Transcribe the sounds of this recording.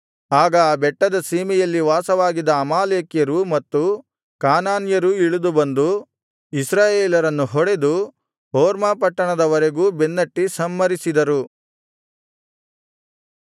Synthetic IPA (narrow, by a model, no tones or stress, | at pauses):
aːɡɐbɛʈːɐd̪ɐsiːmɛjɐlːiʋaːsɐʋaːɡid̪ɐːmaːleːkjɐɾumɐt̪ːu | kaːnaːnjɐɾuiɭud̪ubɐnd̪u | isɾaːjeːlɐɾɐnːuɦɔɽe̞d̪u | ɦoːɾmaːpɐʈːɐɳɐd̪ɐʋɐɾeɡuːbenːɐʈːisɐmːɐɾisid̪ɐɾu